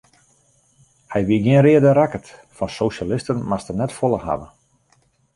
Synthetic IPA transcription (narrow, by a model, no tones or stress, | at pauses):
hɛjʋiɡiənrɪədəɾakətfɔnsoʃalɪstənmastənɛtfolˠəɦa̰və